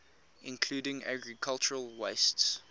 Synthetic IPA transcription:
ʔɪ̰̃nkʰl̥uːdɪ̃ŋæ̰ɡɹikʰalˠt͡ʃəɹəlˠweɪsts

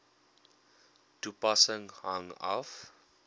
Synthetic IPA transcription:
tupasə̃ŋhãŋa̰f

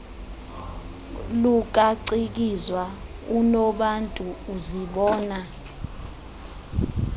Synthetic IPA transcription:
luk̬ʼaǀik̬izwa | unɔɓantʼuːziɓɔːna

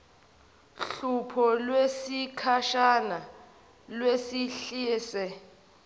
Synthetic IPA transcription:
ɬupʰɔlwesikʰaʃana | lwesiɬiːsɛ

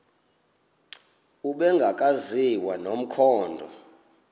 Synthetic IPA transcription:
uɓɛŋɡʱakʼaziwanom̩kʰɔːndʱɔ̰

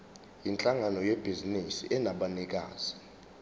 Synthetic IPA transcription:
jint͡ɬʼaŋanɔjebʱizinisiʔɛnaɓanik̬ʼa̰ːz̥i̥

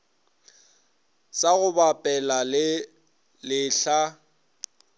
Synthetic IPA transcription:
saɣʊbapʼɛlalɪ | lɪɬa

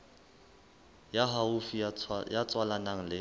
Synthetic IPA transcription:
jaɦaʊfijat͡sʼwalanaŋ̩lɪ

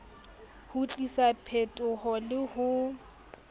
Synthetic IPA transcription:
hʊt͡ɬʼisapʰetʼʊhɔlɪhʊ

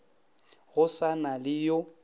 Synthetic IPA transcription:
ɣʊsanalɪjo

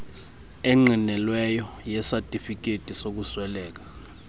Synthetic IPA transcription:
ɛŋ͡ǃʱinɛlwɛjɔjɛsatʼifik̬ʼetʼisok̬uswɛlɛːk̬ḁ

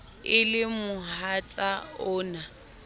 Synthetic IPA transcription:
ɪlɪmʊhat͡sʼaʊːna

